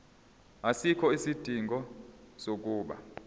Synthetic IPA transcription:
asikʰɔisid̥ʱiŋɡʱɔsok̬ʼuːɓa̰

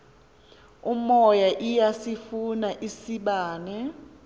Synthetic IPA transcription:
umɔjaʔijasifunaʔisiɓaːnɛ

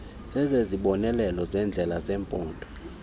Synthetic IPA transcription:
z̥ɛzeziɓɔnɛlɛlɔzɛnd͡ɮʱɛlazɛːmpʼɔːndʱʼɔ

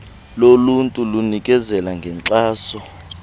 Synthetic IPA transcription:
loluntʼulunik̬ʼɛzɛlaŋɡʱɛǀaːsɔ

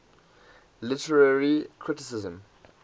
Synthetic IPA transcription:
lɪtəɹaɹikʰɹɪtɪsɪzə̃m

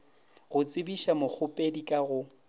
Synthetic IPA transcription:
ɣʊt͡sʼɪbiʃamʊk͡xʰʊpʼedikʼaɣʊ

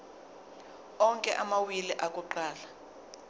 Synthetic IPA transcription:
ɔŋkʼɛʔamawiliʔakʼuǃaːla

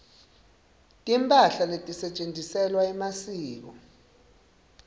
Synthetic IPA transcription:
tʼimpʼaɬaletʼisɛt͡ʃʼend͡zʱisɛlwaɛmasiːk̬ɔ

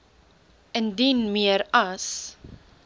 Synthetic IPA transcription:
əndinmiəɾɐs

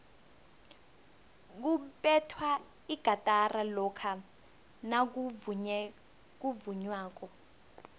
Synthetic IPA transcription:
k̬upɛtʰwa | iɡ̥ʱatʼaralɔkʰa | nak̬ | k̬uvuɲwaːk̬ɔ

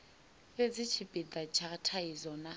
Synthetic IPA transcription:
bed͡zɪt͡ʃʰipʼidat͡ʃʰatʰaizɔna

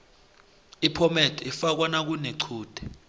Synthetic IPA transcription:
ipʰɔmɛtʰɛifak̬wanak̬uneǀʰuːd̥ʱɛ̥

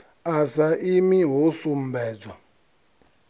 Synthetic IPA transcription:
asaʔimiɦosum̩bɛːd͡zwa

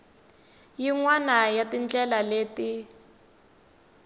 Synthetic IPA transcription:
jiŋwanajatind͡ɮɛlaleːti

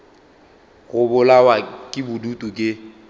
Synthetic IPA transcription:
ɣʊbʊlawakʼɪbʊdutʼukʼɪ

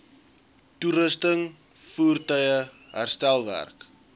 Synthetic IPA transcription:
tuɾəstəŋ | fuːrtœjə | ɦærstælˠvæ̰rk

